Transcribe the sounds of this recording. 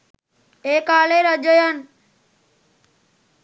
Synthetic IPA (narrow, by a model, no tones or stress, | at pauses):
eːkaːleɾəd͡ʒəjən